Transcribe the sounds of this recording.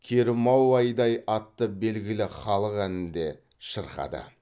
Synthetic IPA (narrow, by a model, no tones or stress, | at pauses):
kʲʰeɾɪmɑwɑjd̪ɑjɑt̪ːəbe̞lɡʲɪlɪχɑlˠəqænɪnd̪e̞ | ʃəɾχɑ̰d̪ə̰